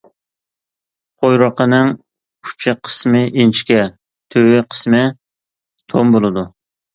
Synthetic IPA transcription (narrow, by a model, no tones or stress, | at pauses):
qʰojɾɑqʰənɨŋ | kʰu̥t͡ʃʰɪqʰə̥smɪʔint͡ʃʰi̥kʲɛ | t̪ʰøwɪqʰə̥smɨ | t̪ʰombolˠɨd̪u